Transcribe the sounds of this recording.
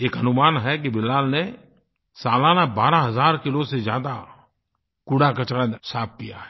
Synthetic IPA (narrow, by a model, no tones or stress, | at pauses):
eːkɦɐnʊmaːnɦɛk̬ibɪlaːlne | saːlaːnabaːɾaɦɐzaːɾkɪlosezjaːd̪a | kuɽakɐt͡ʃɽasaːp̚kija̰ɦɛ